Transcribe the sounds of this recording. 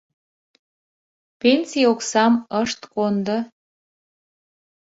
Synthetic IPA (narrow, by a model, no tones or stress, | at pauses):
pensijoksɑməʃt̪kond̪o